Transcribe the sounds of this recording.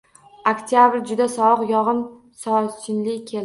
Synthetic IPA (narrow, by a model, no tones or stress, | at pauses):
okt̪ʰjabɾd͡ʒʊd̪asɒɨqjɒʁɨn | sɒsɪnlɪkʲʰel